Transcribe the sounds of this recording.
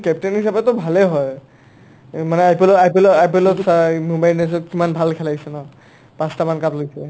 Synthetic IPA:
kɛptenɦisabɛtɔbʱalɛɦɔj | manɛapelɔapilɔapelɔsamumbajnes̬ɔkimanbʱalkʰɛlasɛnɔ | pãstamankaplojsɛ

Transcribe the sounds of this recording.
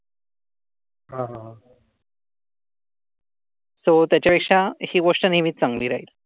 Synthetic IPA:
ɦãɦãɦa | sot̪jat͡ɕjapekʂahiːʋoʂʈənimiːt̪t͡saŋɡliːɾaɦiːl

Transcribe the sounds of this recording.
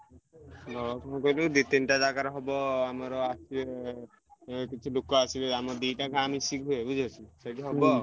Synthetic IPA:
ɡɔɔkʰɔnɔkɔjlud̪it̪inʈad̪akaɾɔɦɔbɔamɔɾɔasi | kit͡ʃʰilokɔasileamɔd̪ijʈakaamisikɦuebud͡ʒʱat͡ʃʰisɔʈiɦɔbɔ

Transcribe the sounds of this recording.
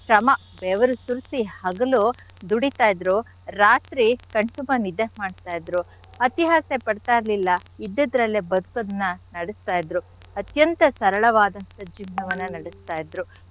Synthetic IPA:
ʃɾɐmɐ | bɛːʋɐɾusuɾsihɐɡɐlu | d̪uɽit̪aːjd̪ɾu | ɾaːt̪ɾikɐɳʈubɐnid̪emaːɽt̪aːjid̪ɾu | ɐt̪iɦaːsepɐɽt̪aːjɾɐlilːɐid̪ːid̪ɾɐlːebɐd̪ukɐd̪ɐnːɐnɐɽɛst̪aːjid̪ɾu | ɐt̪jɐnt̪ɐsɐɾɐɭɐʋaːd̪ɐnt̪ɐd͡ʒiːʋnɐʋɐnːɐnɐɽɛst̪aːjid̪ɾu

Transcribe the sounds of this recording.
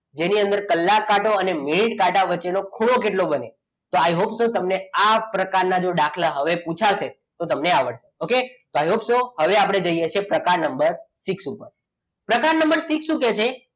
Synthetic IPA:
d͡ʒeniənd̪əɾkəlːakːaʈoəneminiʈkaʈaʋət͡ʃːenokʰuɽok̬eʈlobəne | t̪oajɦopsot̪əmneapɾəkaɾnad͡ʒoɖakʰlaɦəʋeput͡ʃʰaʃe | t̪ot̪əmneaʋəɽʃeoket̪oajɦopsoɦəʋeapɽ̃ed͡ʒəijet͡ʃʰepɾəkaɾnəmbəɾsiksupəɾ | pɾəkaɾnəmbəɾsiksũket͡ʃʰe

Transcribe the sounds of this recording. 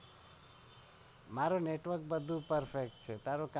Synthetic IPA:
maɾoneʈʋəɾk̚bəd̪ʱũpəɾpʰek̚ʈt͡ʃʰet̪aɾok

